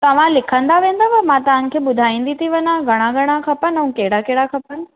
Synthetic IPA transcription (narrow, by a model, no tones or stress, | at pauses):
t̪ɐʋ̤ãlɪkʰə̃nd̪aʋẽːn̆d̪aʋɐmãt̪ɐʋ̤ãnɪ̆kʰeːɓʊd̪ʱaːĩːnd̪it̪ʰiʋɐnãɡʱɐɽ̃ãɡʱɐɽ̃akʰɐpənəũkeɦɪɽakeɦɪɽakʰɐpən